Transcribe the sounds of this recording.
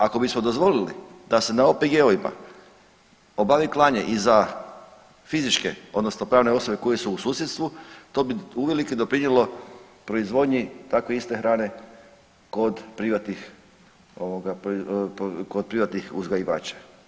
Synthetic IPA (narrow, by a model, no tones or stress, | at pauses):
ako̞bismo̞d̪o̞zʋo̞lilḭd̪̥ase̞naopeɡeoʋima̰ | o̞baʋiklˠaːɲeʔiza | fizit͡ʃke̞̰o̞d̪nosnopɾaːʋne̞o̞so̞be̞ko̞jesuːsuːsjet̪st̪ʋut̪o̞ːbiuʋe̞likid̪o̞pɾiɲjelo̞pɾo̞izʋo̞d̪ɲit̪akʋoist̪e̞xɾaːne̞ | ko̞d̪pɾiʋat̪nix | oʋoɡap | kod̪̚pɾiʋat̪nixuzɡajiʋa̰ːt͡ɕḁ